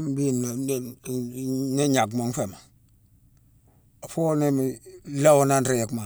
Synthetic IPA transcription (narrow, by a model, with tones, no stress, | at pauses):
mbi˦n˨n | ne˦ɲa˨ɡmo˨ŋ˦fe˨ma˨ | a˨fo˦ne˦mi˨la˦wo˨na˦nɾe˨je˨kma˨